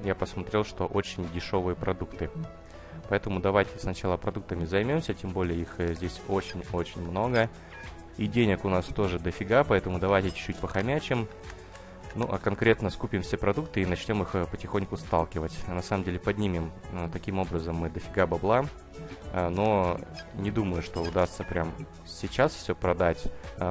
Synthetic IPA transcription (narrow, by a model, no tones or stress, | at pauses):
japəsmɐt̪ɾʲe̞lˠʂt̪o̞ʔo̞t͡ɕɪnʲdʲɪʂo̞vɨjəpɾɐd̪ukt̪ɨ | pɐɛt̪əmʊd̪ɐvajtʲɪsnɐt͡ɕalˠəpɾɐd̪uk̚t̪əmʲɪzɐjmʲomsʲətʲembo̞lʲɪjəixzʲdʲesʲo̞t͡ɕɪnʲo̞t͡ɕɪnʲmno̞ɡə | idʲenʲɪkʊnast̪o̞ʐɨd̪əfʲɪɡapɐɛt̪əmʊd̪ɐvajtʲɪt͡ɕʊ̥t͡ɕːutʲpəxɐmʲæt͡ɕɪm | nuʔakɐnkɾʲe̞t̪nəskupʲɪmfsʲepɾɐd̪ukt̪ɨinɐt͡ɕnʲo̞mixpətʲɪxo̞nʲkʊst̪alˠkʲɪvətʲnɐsaməmdʲelʲɪpɐdʲnʲimʲɪmt̪ɐkʲimo̞bɾəzəmːɨd̪əfʲɪɡabɐblˠa | no̞nʲɪd̪uməjʊʂt̪o̞ʊd̪ast̪səpɾʲam | sʲɪt͡ɕasfsʲɵpɾɐd̪atʲ